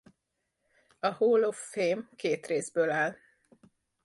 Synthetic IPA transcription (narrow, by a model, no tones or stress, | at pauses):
ɒhoːlofːeːmkeːt̪reːzbøːlaːl